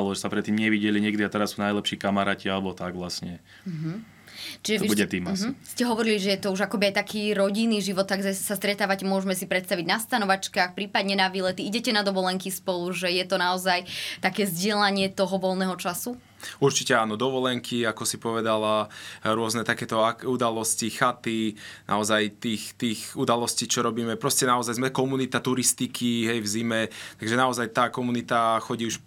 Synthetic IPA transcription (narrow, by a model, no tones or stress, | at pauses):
lɔʒɛsapɾɛt̪ːiːmɲɛʋiɟɛliɲɪɛɡd̪iat̪ɛɾasunajlɛpʃiːkamaɾaːcialɛbɔt̪aɡʋlasɲɛ | m̩ɦ̩ | t͡ʃiʒɛɔbuɛt̪iːmɦ̩scɛɦɔʋɔɾiliʒɛjɛt̪ɔuʒakɔbiajt̪akʰiːɾɔɟinːiʒiʋɔt̪ːaɡzasast̪ɾɛt̪aːʋacɛmʊɔʒmɛsipɾɛt̪st̪aʋiɟnast̪anɔʋat͡ʃkaːxpɾiːpad̪ɲɛnaʋilɛt̪iiɟɛcɛnad̪ɔʋɔlɛŋkispɔluʒɛjɛt̪ɔnaɔzajt̪akɛːzɟɪɛlaɲɪɛt̪ɔɦɔʋɔlˠnɛːɦɔt͡ʃasu | uɾt͡ʃicɛaːnɔd̪ɔʋɔlɛŋkʰiakɔsipɔʋɛd̪alaɾʊɔznɛt̪akɛːt̪ɔaud̪alɔscixat̪inʔa̰ɔzajt̪iːxt̪iːxud̪alɔsciːt͡ʃɔɾɔbiːmɛpɾɔscɛnaɔzajzmɛkɔmunit̪at̪uɾist̪ikʰiɦɛjvzimɛt̪aɡʒɛnaɔzajt̪aːkɔmunit̪axɔɟiːuʃ